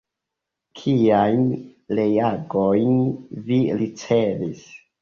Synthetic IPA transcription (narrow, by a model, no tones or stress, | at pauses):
kʰiajnle̞jaɡojnvilit͡se̞vis